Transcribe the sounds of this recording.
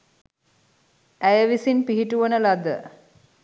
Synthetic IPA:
æjəʋisinpiɦiʈuʋənəlad̪ə

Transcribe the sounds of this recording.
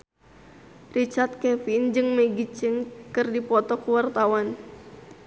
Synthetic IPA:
rit͡ʃart̪̚kɛfind͡ʒɨŋmɛɡit͡ʃɪŋkɨrdipɔt̪ɔkuwart̪awan

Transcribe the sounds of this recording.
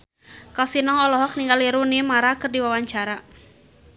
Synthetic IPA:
kasinɔŋɔlɔɦɔk̚niŋɡaliɾunimaɾakɨrdiwawaɲt͡ʃaɾa

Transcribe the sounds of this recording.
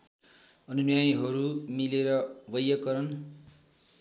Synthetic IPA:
ʌnunjajɦʌɾumileɾʌbʌjʌkʌɾʌn

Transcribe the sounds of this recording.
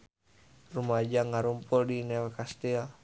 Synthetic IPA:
rumad͡ʒaŋaɾumpɔldinɛlkast̪ea

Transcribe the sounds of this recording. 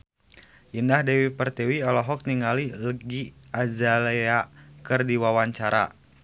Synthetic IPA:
jəndahdɛwipərt̪ewiɔlɔɦɔk̚niŋaliləɡiad͡ʒaleakərdiwawaɲt͡ʃaɾa̰

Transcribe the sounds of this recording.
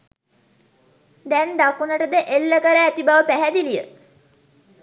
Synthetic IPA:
d̪ɛnd̪akunəʈəd̪əʔelːəkəɾəæt̪ibaʋəpæɦæd̪ilijə̰

